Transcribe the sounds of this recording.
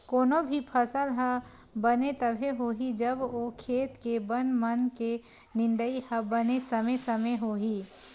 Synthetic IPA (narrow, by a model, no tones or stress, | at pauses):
koːnobʱipʰɐsəlɦə | bɐnet̪ɐbʱeɦoːɦid͡ʒɐbokʰeːt̪kebɐnmɐnke | nɪ̃nd̪əihɐbɐnesɐmesɐmeɦoːɦiː